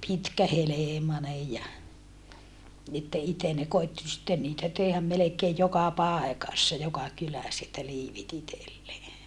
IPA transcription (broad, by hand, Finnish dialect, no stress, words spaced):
pitkæheleˑmɑnej jɑ etːæ iten ne koitːi sitːen niːtæ teːhæm melekeːj jokɑ pɑˑekɑsːɑ jokɑ kylæs etːæ liːʋit itelːeː